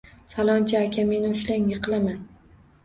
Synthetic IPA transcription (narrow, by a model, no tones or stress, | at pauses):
falˠɒnt͡ʃʰaːkʲʰame̞nɪʊʃlaŋjɨqʰɨlˠaman